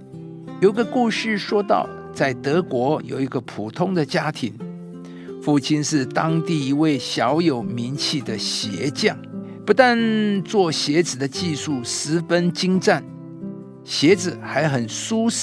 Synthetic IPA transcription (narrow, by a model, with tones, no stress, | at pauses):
jo˨˩ʊi˧˥ɡə˧ku˥˧ʂɻ̩˥˨ʂwɔ˥t̪ɑ̰˥˧˨ʊ | t͡sa˥˩ɪt̪ɤ˧˥kwɔ˧˥jo̰˨˩ʊi˧˥ɡə˧pʰu˨˩t̪ʰʊ˥ŋd̪ə˨t͡ɕja˥t̪ʰi˧˥ŋ | fu˥˩t͡ɕʰi˥nʂɻ̩˥˩t̪ɑ˥ŋt̪i˥˩i˧˥we˥˩ɪɕjɑ˧˥ʊjo˨˩ʊmi˧˥nt͡ɕʰi˥˩d̪ə˦ɕjɛ˧˥t͡ɕjɑ˥˩ŋ | pu˧˥t̪a˥˧nt͡swɔ˥˩ɕjɛ˧˥t͡sɹ̩˨˩d̪ə˦t͡ɕi˥˧ʂu˥˩sɹ̩˧˥fə˥nt͡ɕi˥ŋʈ͡ʂa˥˩n | ɕjɛ˧˥t͡sɹ̩˨˩xa˧˥ɪxə˨˩nsu˥s